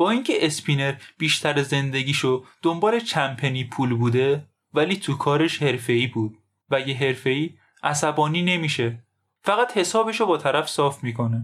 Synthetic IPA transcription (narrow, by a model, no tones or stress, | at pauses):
b̥ɒːiːŋcʰe̞ʔespʰine̞ɾb̥iːʃt̪ʰæɾeze̞nd̪eɟiːʃod̪̥ombɒːle̞t͡ʃʰæmpʰe̞niːpʰuːlbuːd̪e̞ | væliːt̪ʰukʰɒːɾe̞ʃhe̞ɾfe̞iːbuːd̪̥̚ | væjeɦe̞ɾfe̞iː | ʔæsæbɒːniːne̞miːʃe̞ | fæɣæt̪he̞sɒːbeʃobɒːt̪ʰæɾæfsɒːfmiːkʰo̞ne